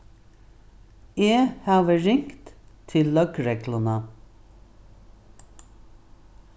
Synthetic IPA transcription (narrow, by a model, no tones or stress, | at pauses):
eːhɑːʋəɹɪŋkt̪t̪ʰɪllœkɹɛklənə